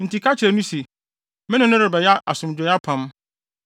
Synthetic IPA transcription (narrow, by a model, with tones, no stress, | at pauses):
n̩˨ti˨kʰa˦t͡ɕʰɪ˨ɾɛ˨nũ˦se˨ | mɛ̃˦nʊ̃˦nʊ̃˦ɾɪ˨bɛ˨ja˦ʔa̰˨sʊ̃˨m˨d͡ʑᶣɛ˨ja˦pʰã˦m